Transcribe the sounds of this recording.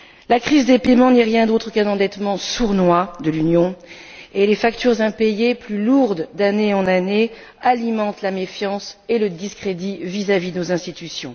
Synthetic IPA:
lakχizd̪epemɑ̃nɛʁjɛ̃d̪ot̪χəkɛ̃nɑ̃d̪ɛt̪mɑ̃suʁnwad̪əlynjɔ̃elefakt̪yʁzɛ̃pejeplyluʁd̪d̪aneɑ̃nane | alimɑ̃t̪lamefjɑ̃seləd̪iskχed̪ivizavid̪ənozɛ̃st̪it̪ysjɔ̰̃

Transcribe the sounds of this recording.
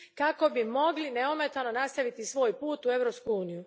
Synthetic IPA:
kako̞bimo̞ɡlineome̞t̪ano̞nast̪aʋit̪isʋo̞ːjpuːt̪ue̞ʋɾopskuuːniju

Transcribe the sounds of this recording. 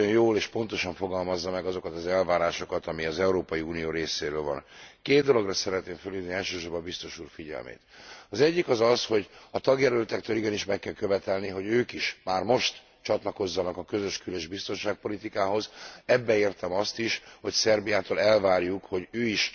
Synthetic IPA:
o̞jjoːleːʃpo̞nt̪o̞ʃɒɱfo̞ɡɒlmɒzːɒmɛɡɒzo̞kɒt̪ɒzɛlvaːɾaːʃo̞kɒt̪ɒmiɒzɛuɾoːpɒjiuːnijoːɾeːseːɾøːlvɒ̰nkeːd̪d̪o̞lo̞ɡrɒsɛɾɛt̪neːɱfølid̪niɛlʃøːʃorbɒbist̪o̞ʃuːrfiɟɛ̰lmḛːt̪ɒzɛɟːikɒzɒsho̞ɟɒt̪ɒɡjɛlølt̪ɛkt̪øːliɡɛniʃmɛkːɛlkø̞vɛt̪ɛlniɦo̞ɟøːkiʃmaːrmo̞ʃt̪ | t͡ʃɒt̪lɒko̞zːɒnɒkɒkø̞zø̞ʃkyløʒbist̪o̞nʃaːk̚po̞lit̪ikaːɦo̞zɛbːɛeːrt̪ɛmɒst̪iʃho̞csɛrbijaːt̪oːlɛlvaːrjukho̞ɟøːiʃ

